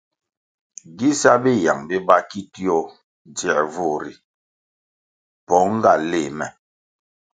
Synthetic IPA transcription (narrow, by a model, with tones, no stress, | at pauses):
ɡi˦sa˦bi˦ja˨ŋbi˦ba˦ki˦ti˦ɔ˦˨ | d͡zɛ˨vu˦˨ɾi˨ | pɔ˨˦ŋ˦ɡa˨le˨mɛ˨